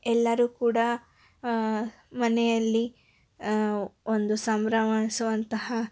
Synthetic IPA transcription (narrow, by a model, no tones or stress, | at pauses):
ɛlːɐɾuːkuːɽɐ | mɐnɛjɐlːi | ond̪usɐmbɾɐʋɐɳisuʋɐnt̪ɐɦɐ